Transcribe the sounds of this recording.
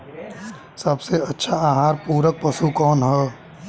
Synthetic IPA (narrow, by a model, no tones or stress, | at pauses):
sɐbseɐtːʃʰaaːɦaːɾpuːɾək̚pəsukɔːnɦɛː